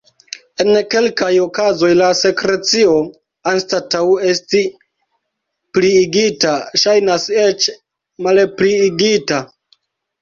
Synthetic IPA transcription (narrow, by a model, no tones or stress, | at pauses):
e̞nke̞lkajo̞kazo̞jlase̞kɾe̞t͡sio̞ | anstatawe̞sti | pliːɡitaʃajnase̞t͡ʃ | malpliːɡita